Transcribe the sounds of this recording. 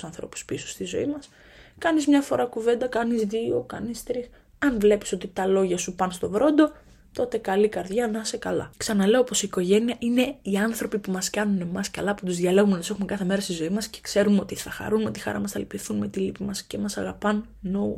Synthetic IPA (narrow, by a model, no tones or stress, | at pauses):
sɐnθɾo̞̰pu̥spisu̥st̪izo̞̰imɐs | kɐnizmɲɐfo̞ɾɐkuve̞nd̪ɐkɐnizðio̞kɐnist̪ɾix | ɐnvle̞pi̥so̞t̪it̪ɐlo̞ʝɐsupɐnst̪o̞vɾo̞nd̪o̞ | t̪o̞t̪e̞kɐlikɐɾðʝɐnɐsekɐlɐ̰ksɐnɐle̞opo̞siːko̞ʝe̞niɐʔine̞iɐnθɾo̞pipumɐskɐnune̞mɐskɐlɐput̪uzðʝɐle̞ɣumnɐt̪usexumekɐθe̞me̞ɾɐst̪izo̞imɐsce̥kse̞ɾumeo̞t̪iθɐxɐ̰ɾunmet̪ixɐ̰ɾɐ̰mɐsθɐ̰lpifθunme̞t̪ilipimɐsce̞mɐsɐɣɐpɐn | nou